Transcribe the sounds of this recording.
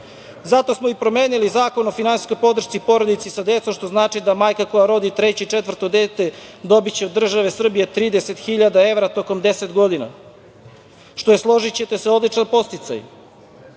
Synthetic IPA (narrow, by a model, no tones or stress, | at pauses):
zat̪o̞smo̞ipɾo̞me̞ːnilizaːko̞no̞finansi̥sko̞jpo̞d̪r̩ʃt̪sipo̞ɾod̪it̪sisad̪e̞t̪somʃt̪o̞znaːt͡ʂid̪amaːjkako̞jaɾo̞d̪it̪ɾe̞t͡ɕet͡ʂet̪ʋər̩t̪o̞d̪e̞ːt̪ed̪o̞bit͡ɕeod̪ːr̩ʒaʋe̞sr̩bijet̪ɾiːd̪e̞se̞t̪xiʎad̪ae̞ʋɾat̪o̞ko̞md̪e̞set̪ɡo̞d̪ina̰ | ʃt̪o̞jeslˠo̞ʒit͡ɕe̞t̪eseod̪lˠit͡ʃanpo̞st̪it̪sa̰j